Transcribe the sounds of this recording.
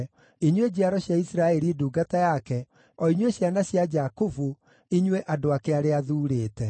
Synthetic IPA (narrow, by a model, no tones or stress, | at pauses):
iɲwed͡ʑiaɾɔɕjaisɾaɛɾiduːɡatajakɛ | ɔiɲweɕjanaɕjad͡ʒakovu | iɲweʔadoakeaɾeaðuːɾeːtɛ